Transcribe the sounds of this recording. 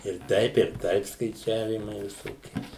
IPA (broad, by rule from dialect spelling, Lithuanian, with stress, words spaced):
ɪr ˈtɐɪp ɪr ˈtɐɪp skɐɪˈt͡ʃʲæːʋʲiːmɐɪ ʋʲɪˈsoːkʲiɛ